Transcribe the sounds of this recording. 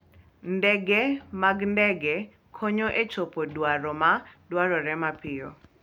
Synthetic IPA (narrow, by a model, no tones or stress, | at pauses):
ndɛɡɛmaɡndɛɡɛ | kʰoɲoʔet͡ʃopodwaɾɔmadwaɾɔɾɛmapɪɔ̰